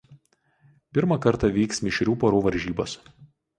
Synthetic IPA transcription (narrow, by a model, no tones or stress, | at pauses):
pʲɪɾmɐkɐɾˑt̪ɑʋʲiːksmʲɪʃʲɾʲuːpoːɾuːʋɐɾʲʒʲiːboːs